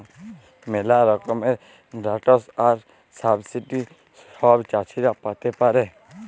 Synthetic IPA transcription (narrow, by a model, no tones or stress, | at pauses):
mɛlaɾɔkɔmɛ | ɾaʈɔsaɾ | sabsiʈi | ɔbt͡ʃat͡ʃʰiɾapat̪ɛpaɾɛ